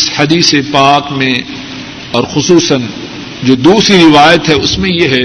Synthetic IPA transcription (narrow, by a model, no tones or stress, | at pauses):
sħɐd̪iːsepaːkmẽ | ɔːɾxʊsuːsən | d͡ʒoːd̪uːsɾiɾɪʋaːjət̪ɦɛʊsmẽjeɦɛ